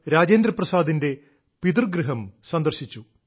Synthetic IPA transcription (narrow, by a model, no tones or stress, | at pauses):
ɾaːd͡ʑeːnd̪ɾɐprɐsaːd̪inde̞ | pid̪urɡɾɨɦɐmsɐnd̪ɐrɕit͡ɕːu